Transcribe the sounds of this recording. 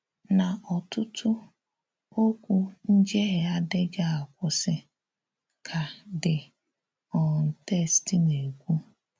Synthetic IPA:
na˨ʔɔ˨tʊ˦tʰʊ˦ | o˦kʷu˦n̩˦d͡ʒe˦ɣɪ˨a˦dɪ˦ɡa˦a˨kʷʊ˦sɪ˦ | kʰa˨dɪ˨ | ɔ˨n̩˨te˦˨stɪ˨ne˨ɡʷu˦

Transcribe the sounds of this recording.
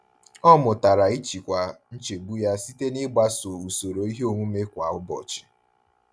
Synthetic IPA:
ɔ˦mʊ˨ta˨ɾa˨i˦t͡ʃi˨kʷa˨n̩˦t͡ʃe˨bu˦ja˦si˦te˦nɪ˦ɡ͡ba˦so˨u˨so˨ɾo˨i˦ɦe˦o˦˨ŋʷu˦me˦kʷa˨ʊ˦bɔ̰˨t͡ʃɪ̥˨

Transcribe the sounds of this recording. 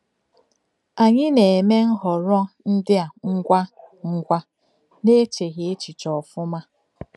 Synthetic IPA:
a˨ɲɪ˦ne˨e˨me˦ŋ̩˦ɦɔ˨ɾɔ˦n̩˦dɪ˦a˨ŋ̩˦ɡʷa˦ŋ̩˦ɡʷa˦ | ne˦t͡ʃe˨ɣe˦t͡ʃi˨t͡ʃɔ˨fʊ˦ma˦

